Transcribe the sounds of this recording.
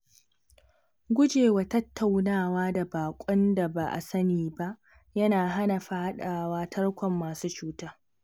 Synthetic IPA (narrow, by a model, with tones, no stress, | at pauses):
ɡʷʊ˦d͡ʒeː˨wa˨tɐ˦tːa˨wnaː˦˨waː˦da˨baː˨kʷʼɔ˦nda˨ba̰˨ʔa̰˨sɐ˦niː˨ba˦ʔ | jɐ˦naː˨ɦa˦na˨ɸa˨ha˦ɗaː˨waː˦tʰɐ˦ɽkʷɔ˨mːaː˨suː˦t͡ʃuː˦taː˦